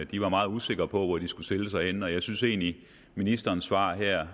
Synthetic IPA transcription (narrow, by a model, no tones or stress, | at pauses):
d̥iʋɑ̈mɑ̈ːð̩ˠuse̝ɡ̥ɐpʰɒ̽ʋɒd̥isɡ̥usteləsɑ̈ɪenɒ̽jɑ̈ɪsynse̝̰ːnli | minisd̥ɐːnsʋɑ̈ːɦæɐ̰